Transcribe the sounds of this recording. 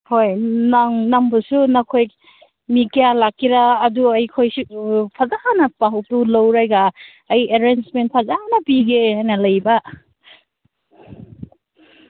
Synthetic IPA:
hojnaŋnɐmbɐsunɐkʰoj | mikijalakːiɾaːduɐjkʰojsupʰɐzahnɐpaɦɐwtulowɾajɡaː | jeɾensment̚pʰɐzanɐbiɡehajnɐlɐjbɐ

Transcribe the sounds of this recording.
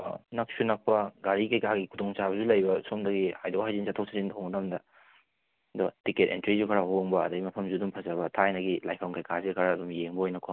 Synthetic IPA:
nɐk̚sunɐk̚pɐɡaɾikajkʰaɡikʰutoŋt͡ʃabɐzulɐjbɐsomdɐɡihajdowhajzinzatʰow̚sʰazintʰownɐdamdɐ | dotiketḛntɾizukʰɐɾɐɦoŋbɐːdɐɡimɐpʰɐmzudumpʰɐzɐbɐtʰajnɐɡilajpʰownkajkʰazikʰɐɾaːdumjeŋbɐojnɐkʰo

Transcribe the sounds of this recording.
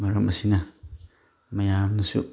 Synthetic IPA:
aɾamasina | majamnəsṵʔ

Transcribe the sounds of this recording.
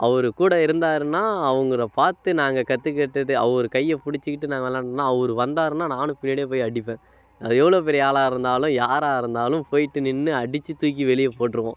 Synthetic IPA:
ʔɐʋɐɾɯkuːɽɐɪɾɯnd̪aːɾɯnːaːɐʋɐŋɡɯɽɐpaːɾt̪ɯnaːŋɡɐkɐt̪ːɯkːɛʈːɐðɯɐʋɔɾɯkɐjːɛpʊɽɪt͡ʃːɯkɪʈːɯnãːŋɡɐʋɐlːãːnːaːɐʋɐɾɯʋɐnd̪aːɾɯnːaːnaːnɯpɪnːiɽeːp̬oːjɐɽɪpːẽː | ɐðɯɛʋːɐɭoːpɛɾɪjɐaːɭaːɪɾɯnd̪aːlʊ̃jaːɾaːɪɾɯnd̪aːlɯ̃mpoːjɪʈːɯnɪnːɯɐɽɪt͡ʃːɯt̪uːk̬ːiʋɛɭɪjɐpoːʈːɾɯʋõ̰ː

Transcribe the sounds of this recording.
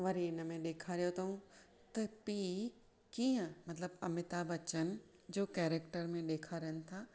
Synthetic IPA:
ʋɐɾiɪnə̆mẽɗeːkʰaɾijot̪ʰɐɦũ | t̪ɐpiː | kiːə̃mɐt̪ləbɐmɪt̪aːbɐt͡ɕənɪ̆ | d͡ʑoːkɛːɾekʈəɾmẽɗeːkʰaɾɐɦənɪ̆t̪ʰaː

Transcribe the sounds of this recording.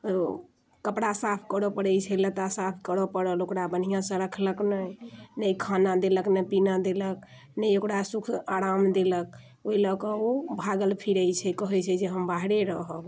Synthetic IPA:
kəpɽasapʰkəɾəpəɽɛjt͡ʃʰɛlət̪asapʰkəɾəpəɽəlokɽabən̤ijãsə̃ɾəkʰləknəjnəjkʰanad̪eləknəpinad̪elək̚ | nəjokɽasukʰaɾamd̪elək̚ | oiləkə̃obʱaɡəlpʰiɾəjt͡ʃʰɛkəɦɛt͡ʃʰɛd͡ʒeɦəmbaɦɾeɾəɦəɡ

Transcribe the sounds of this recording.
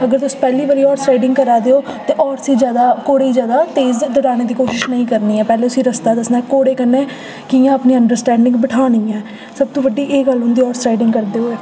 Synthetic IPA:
əɡəɾt̪ʊsːpɛːliːʋəɾiːɔːɾsʈɾaːɪɖɪŋɡkəɾaːd̪eːoːt̪eːʔɔːɾsiːd͡ʒjaːd̪aːkoːɽeːiːd͡ʒjaːd̪aːt̪eːzd̪əɽaːneːd̪iːkoːʃɪʃnəĩːkəɾniːɛːpɛːleːt̪ʊsĩːɾəst̪aːd̪əsnaːkoːɽeːkənːeː | kiːjãːəpniːəɳɖəɾsʈɛ̃ːɳɖɪ̃ŋɡbəʈʰaːnĩːɛː | səb̚t̪õːʋəɖːiːʔeːɡəlɦʊ̃nd̪iːɔːɾsʈɾaːɪɖɪ̃ŋɡkəɾd̪eːoːɛː

